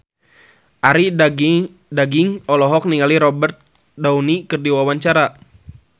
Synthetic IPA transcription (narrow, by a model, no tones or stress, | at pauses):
ʔaɾi | daɡiŋɔlɔɦɔk̚niŋaliɾɔbɛrt̪̚ | daunikərdiwawaɲt͡ʃaɾa